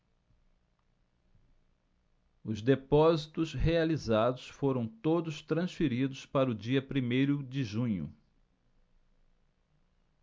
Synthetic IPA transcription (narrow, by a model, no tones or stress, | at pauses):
ʊzd̪epɔzit̪ʊsɦealizad̪ʊsfoɾɐ̃w̃t̪od̪ʊst̪ɾɐ̃sfiɾid̪ʊspaɾʊd͡ʒiɐpɾimejɾʊd͡ʒɪʒũɲʊ̰